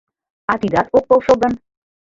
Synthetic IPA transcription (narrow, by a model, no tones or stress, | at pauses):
ɑt̪id̪ɑt̪ok̚bowʃəlˠd̪ən